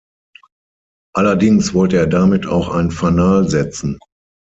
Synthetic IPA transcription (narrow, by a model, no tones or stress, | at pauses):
ʔalɐdɪŋsv̥ɔltəeːɐdamɪtʰa̰ʊxʔa̰ɪnənfanaːlzɛt͡sn̩